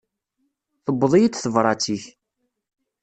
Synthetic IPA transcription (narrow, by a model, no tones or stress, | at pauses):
θəbːðˤijid̪θəvɾˤɑt͡sːiç